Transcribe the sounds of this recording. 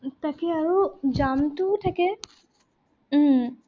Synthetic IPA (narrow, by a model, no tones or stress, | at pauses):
t̪akeaɾod͡ʑamt̪ut̪ʰake